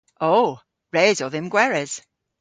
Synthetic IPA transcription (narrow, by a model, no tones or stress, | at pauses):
ʔoː | ɹeːzɔðɪmɡwɛɹəz̥